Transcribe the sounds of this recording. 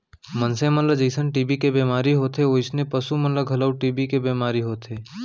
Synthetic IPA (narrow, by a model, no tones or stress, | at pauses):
mənsẽmɐnləd͡ʒəsənʈiːbikebeːmaːɾiɦoːt̪ɦeoɪsnẽpɐsumɐnləɡʱɐləwʈiːbikebeːmaːɾiɦoːt̪ʰeː